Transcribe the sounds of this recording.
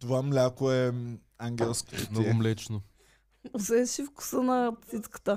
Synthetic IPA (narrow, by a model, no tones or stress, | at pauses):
t̪ovamlʲakoɛ | aŋɡʲɛlˠsko̥nimlɛt͡ʃno | osɛʃifku̥sənɐpsit̪kə̥t̪ə